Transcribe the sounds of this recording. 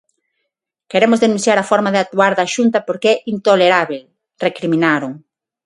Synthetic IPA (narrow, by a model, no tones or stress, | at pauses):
keɾemʊzðenũn̟θjaɾɐfɔɾmaðeat̪uaɾðaʃunt̪ɐpoɾkɛʔint̪oleɾaβel | rekɾimĩnaɾʊ